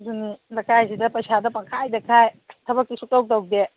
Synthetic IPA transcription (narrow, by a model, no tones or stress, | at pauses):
dunilɐkajsidɐpɐjsadɐpakʰajdɐkʰajtʰɐbɐkːisutawk̚taw̚de